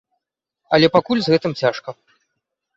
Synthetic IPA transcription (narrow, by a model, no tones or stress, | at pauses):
ɐlʲɛpakulʲzɣɛt̪ɨmt͡sʲaʂkɐ